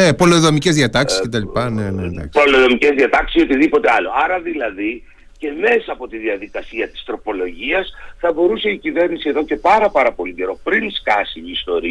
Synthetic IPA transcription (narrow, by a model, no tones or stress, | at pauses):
nepo̞loðomice̞zðiɐt̪ɐkscet̪ɐlipɐnenend̪ɐ̰ksoloðo̞mice̞zðiɐt̪ɐksiso̞t̪iðipo̞t̪e̞ɐlo̞̰ɐɾɐðilɐði | ce̞me̞sɐːpo̞t̪iðiɐðikɐsiɐt̪i̥st̪ɾo̞po̞lo̞ʝiɐsθɐbo̞ɾuse̞icive̞ɾnisieðo̞ce̞pɐɾɐpɐɾɐpo̞lice̞ɾo̞pɾinskɐsiːst̪o̞ɾi